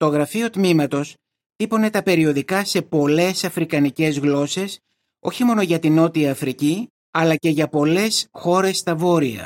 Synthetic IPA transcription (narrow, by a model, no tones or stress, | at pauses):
t̪o̞ɣɾɐfio̞t̪mimɐt̪o̞s | θipo̞ne̞t̪ɐpe̞ɾio̞ðikɐse̞po̞le̞sɐfɾikɐnice̞zɣlo̞se̞s | o̞̰çimo̞no̞ʝɐt̪ino̞t̪iɐːfɾici | ɐlɐce̞ʝɐpo̞le̞sxo̞ɾe̞st̪ɐvo̞ɾiɐ̰